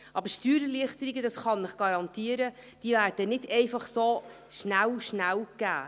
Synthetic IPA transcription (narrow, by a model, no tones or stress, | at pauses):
ʔɑbəɾʃtyːɾəliəχtəɾiɡədɑsχɑnɪχɡ̥ɑɾɑnt̪iːəɾə | d̥iːvæːɾd̥ənɪdɛɪfɑχso | ʃnæwʃnæwɡ̥æ̰ː